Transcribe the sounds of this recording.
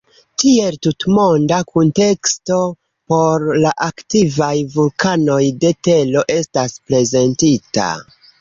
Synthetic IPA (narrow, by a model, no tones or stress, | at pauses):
tie̞ltutmo̞ndakunte̞ksto̞ | po̞ɾlaʔaktivajvulkano̞jde̞te̞lo̞ʔe̞staspɾe̞ze̞ntita̰